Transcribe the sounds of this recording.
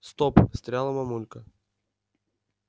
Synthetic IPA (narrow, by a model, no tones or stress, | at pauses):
st̪opst̪ɾʲalˠəmɐmulʲkə